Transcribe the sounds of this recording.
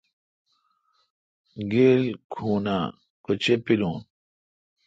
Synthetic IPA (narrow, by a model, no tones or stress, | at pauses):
ɡeːlkʰuːna̰ | kot͡ɕepilũːn